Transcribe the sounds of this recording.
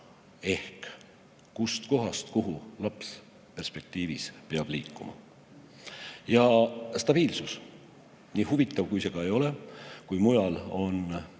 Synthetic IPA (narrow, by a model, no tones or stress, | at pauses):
e̞hk | kːust̪ko̞ɦɑst̪kuɦulɑps | pe̞rspe̞k̚t̪iːvispeɑb̥liːkːˑumɑ̰ | jɑst̪ɑb̥iːlsus | niːhuvit̪ˑːɑvkujse̞ɡ̥ɑe̞jo̞lekujmujɑlo̞n